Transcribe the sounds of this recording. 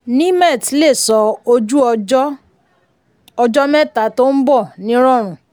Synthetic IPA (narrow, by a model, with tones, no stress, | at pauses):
nĩ˦mɛ˦˨tle˦˨sɔ˧o˧d͡ʒu˦˧˦ | ɔ˧d͡ʒɔ˦mɛ˦ta˨˦to˦n̩˦bɔ˦˨nĩ˦ɾɔ˦˨ɾ̃ũ˨˦